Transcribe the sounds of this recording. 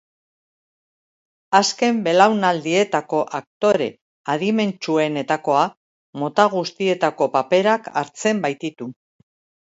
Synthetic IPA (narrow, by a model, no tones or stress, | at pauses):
aske̞mbe̞lawnald̪ie̞t̪ako̞ʔak̚t̪o̞ɾe̞ | aðime̞nt͡ʃue̞ne̞t̪ako̞a | mo̞t̪aɣ̞ust̪ie̞t̪ako̞pape̞ɾaka̰ɾt͡se̞mbajt̪it̪u